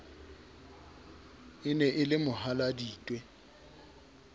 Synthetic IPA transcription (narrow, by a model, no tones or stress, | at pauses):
ɪnɛʔɪlɪmʊhaladiːtʼwɛ